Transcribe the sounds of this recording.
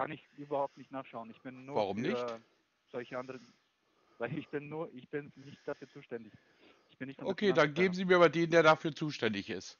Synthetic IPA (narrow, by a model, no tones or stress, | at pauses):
kʰa̰nɪçʔyːbɐhaʊp̚tnɪçtnaːχʃaʊənɪçb̥ɪnːuːvaʁʊmnɪçt | z̥ɔlçəʔandəʁən | vaɪlɪçb̥ɪnːuːɐʔɪçb̥ɪnnɪçt̚d̥afyːɐt͡suːʃtɛndɪç | ʔɪ̥çb̥ɪnːɪçtfɔʔokkʰeːdanɡeːbm̩ziːmiːɐːbɐdeːndeːɐɾafyːɐt͡suːʃtɛndɪçɪ̰st